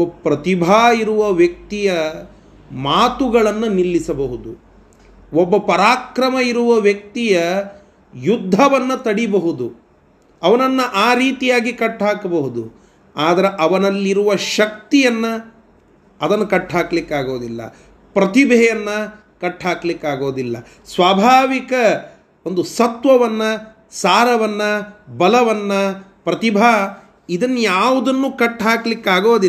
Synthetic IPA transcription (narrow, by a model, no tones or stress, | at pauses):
pɾɐt̪ibʱaːiɾuʋɐʋjɐk̚t̪ijɐ | maːt̪uɡɐɭɐnːɐnilːisɐbɐɦud̪u | obːɐpɐɾaːkɾɐmɐiɾuʋɐʋjɐk̚t̪ijɐ | jud̪ʱːɐʋɐnːɐt̪ɐɽibɐɦud̪u | ɐʋɐnɐnːɐʔaːɾiːt̪ijaːɡikɐʈːɦaːkɐbɐɦud̪u | aːd̪ɐɾeʔɐʋɐnɐlːiɾuʋɐʃɐk̚t̪ijɐnːɐː | d̪ɐnːɐkɐʈɦaːkɐlikːaːɡo̞ːd̪ilːɐ̰ | pɾɐt̪ibʱɛjɐnːɐ | kɐʈaːklikːaːɡo̞ːd̪ilːɐ̰ | sʋaːbʱaːʋikɐ | ond̪usɐt̪ʋɐʋɐnːɐ | saːɾɐʋɐnːɐbɐlɐʋɐnːɐpɾɐt̪ibʱaː | id̪ɐnːjaːʋud̪ɐnːuːkɐʈːɦaːkɐlikːaːɡoːd̪i